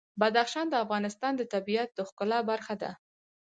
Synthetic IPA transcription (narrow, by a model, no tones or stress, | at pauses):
bad̪axʃɑnd̪əafɣɑnɪst̪ɑnd̪ət̪abiat̪̚d̪əxkʊlɑbaɾxad̪a̰